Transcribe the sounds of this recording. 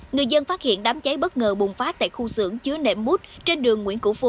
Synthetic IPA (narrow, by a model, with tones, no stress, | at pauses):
ŋɨ˨˩əjzə˧nfaː˦˥t̚hḭ˧˨ənɗaː˨˦mt͡ɕə˨˦jɓə˦˥t̚ŋəː˨˩ɓʊ˨˩ŋ͡mfaː˦˥t̪a̰ː˧˨jxu˧sɨ̰˧˥əŋt͡ɕɨ˨˦ənḛ˧˩mːu˦˥t̚t͡ɕe˧nɗɨ˨˩əŋːwḭ˧˥nkṵ˧˩fu˧˩